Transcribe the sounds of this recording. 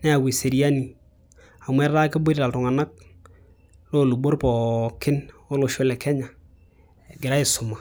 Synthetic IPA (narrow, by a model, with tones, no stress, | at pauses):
nɛ˦a˨wi˨se˨ɾi˦a˦ni˨ | a˨mʷɛ˦ɾa˦kɪ˦bʊ˦ɾɾa˨ltʊ˨ŋa˨na˦k̚ | lo˦˨lu˨bo˦ɾpɔ˨kɪ˦no˦lo˨ʃʊ˦lɛ˨kɛ˦ɲa˨ | ɡɪ˨ɾa˦ɪ˨sʊ˨ma˨